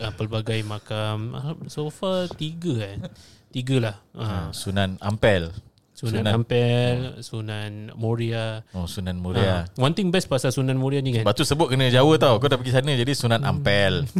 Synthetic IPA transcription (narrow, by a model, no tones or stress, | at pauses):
əpəlbaɡajmãkamasofat̪iɡəan | t̪iɡəlahəsunãnampɛl | sunuãnaampɛlsunanmoɾiaosunãnmoɾiawant̪ɪŋbɛspasasunãnmoɾianikanbat̪usəbʊt̪̚kənə̃d͡ʒawət̪awkodaʔpaɡis̬anə̃d͡ʒadisunãna̰mpɛl